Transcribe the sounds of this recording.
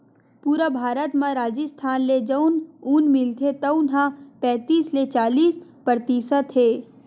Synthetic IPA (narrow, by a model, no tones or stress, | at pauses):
puːɾabʱaːɾət̪mãɾaːd͡ʒəst̪ʰaːnled͡ʒəʊnuːnmɪlt̪ʰet̪ɐʊnɦãpɛ̃ːt̪iːslet͡ʃaːliːspɾəɾt̪iːsət̪ɦeː